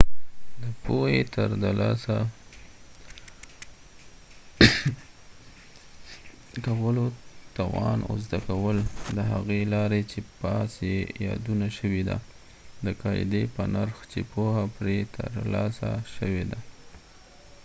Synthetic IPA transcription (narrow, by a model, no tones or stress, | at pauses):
d̪əpohet̪əɾd̪alɑsa | kawəlot̪ɑwɑnʊ̰zd̪akawəld̪əɦaɣelɑɾet͡ʃepɑsejɑ̰d̪unaʃəwed̪a̰ | d̪əkɑj̰d̪epənaɾxt͡ʃepohapɾet̪ʰə̰ɾlɑsa̰ʃəwed̪a